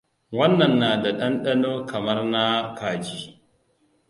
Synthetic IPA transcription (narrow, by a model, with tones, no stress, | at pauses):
wɐ˦nːɐ˨nːaː˨da˨ɗɐ˦nɗɐ˦noː˦kʰɐ˨mɐ˦rna˦kaː˨d͡ʒiː˦